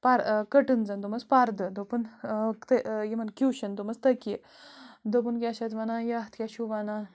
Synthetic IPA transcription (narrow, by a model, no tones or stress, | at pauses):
paɾkəʈɨnd͡zɐnd̪umɐspaɾd̪əd̪opunt̪əjemɐnkjuːɕɐnd̪umɐst̪ɐkje | d̪op̬unkjaɕat̪ʋanajaɦt̪ʰkʲjaɕuʋana